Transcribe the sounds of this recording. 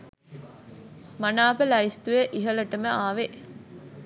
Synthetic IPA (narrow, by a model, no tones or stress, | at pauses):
mɐnaːpəlɐist̪ujeʔiɦələʈəməaːʋe